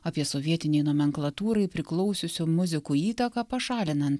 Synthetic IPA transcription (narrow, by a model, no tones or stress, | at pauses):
ɐpʲiɛsoːʋʲiɛt̪ʲɪnʲɛɪnoːmʲɛŋklˠɐt̪uːɾɐɪpʲɾʲɪklˠɒʊsʲʊsʲʊmʊzʲɪkuːiːt̪ɐkɑːpɐʃɑːlʲɪnɐnt̪